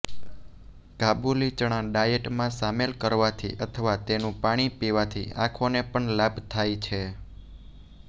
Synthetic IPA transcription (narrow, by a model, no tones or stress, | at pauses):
kabulit͡ʃəɽ̃ãɖajeʈmãsamelkəɾʋat̪ʰḭʔət̪ʰəʋat̪enũpaɽ̃ipiʋat̪ʰḭa̰kʰonepəɳlabt̪ʰajt͡ʃʰe